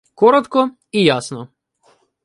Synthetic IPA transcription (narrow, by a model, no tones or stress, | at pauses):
koɾat̪kɔ | ijasnɔ